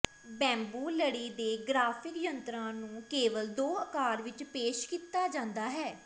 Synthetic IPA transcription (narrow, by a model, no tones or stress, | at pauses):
bɛ̃ːmbuːləɽiːd̪eːɡɾaːpʰɪkjənt̪ɾãːnũːkeːʋəld̪oːəkaːɾʋɪt͡ʃpeːʃkiːt̪aːd͡ʒãːnd̪aːɦɛː